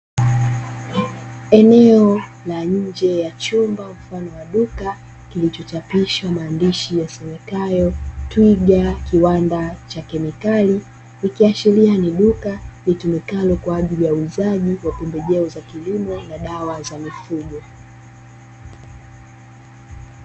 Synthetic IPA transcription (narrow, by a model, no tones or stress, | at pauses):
ɛnɛɔ | laɲ̩d͡ʒɛjat͡ʃumbam̩fanɔwaɗuka | kilit͡ʃɔt͡ʃapiʃamaːndiʃijasɛmɛkajɔtwiɠakiwandat͡ʃakɛmikali | ikiaʃilianiɗukalitumikalɔkwaːʄilijauizaʄiwapumbɛʄɛɔzakilimɔnaɗawazamifuɠɔ